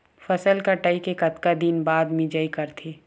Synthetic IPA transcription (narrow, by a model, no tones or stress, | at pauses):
fɐsəlkɐʈaːikekɐt̪kad̪inbaːd̪mĩd͡ʒəikɐɾt̪ʰeː